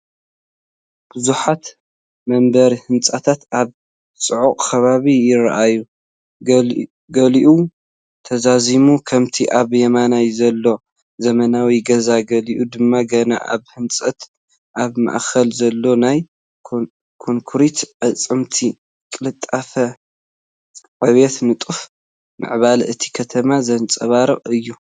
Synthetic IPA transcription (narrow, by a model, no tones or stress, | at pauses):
b̥ɨzuħat̪ | mɐmbɐɾihɨnt͡sʼat̪ʰat̪ʔaβ | sʼɨʕuqʼkʰɐβaβijɪɾa̰ʔaju | ɡɐliʔu | t̪ʰɐzazimukʰɐmt̪ʰiʔaβjɐmanajzɐlːo̞ | zɐmɐnawiɡɐzaɡɐliʔud̪ɨmːaɡɐna̰ʔa̰βhɨnt͡sʼɐt̪ | ʔaβma̰ʔxɐlzɐlːo̞naj | kʰoŋkʰuɾit̪ʕɐt͡sʼɨmt̪ʰi | kʼɨlɨt̪ʼːafɐ | ʕɨβet̪nɨt̪ʼuf | mɨ̰ʕβalɨt̪ʰi̥kʰɐt̪ʰɐmazɐnt͡sʼɐβaɾɨqʼɨjːu